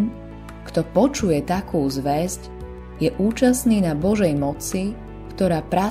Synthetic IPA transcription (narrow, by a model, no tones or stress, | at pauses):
n | kt̪ɔpɔt͡ʃujɛt̪akʰuːzʋɛzc | jɛʔuːt͡ʃasniːnabɔʒɛjmɔt͡si | kt̪ɔɾaːpɾa